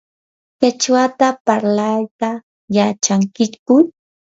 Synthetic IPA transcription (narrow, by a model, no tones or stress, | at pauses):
kat͡ʃwat̪apaɾlajt̪a | jat͡ʃaŋkɪkʊ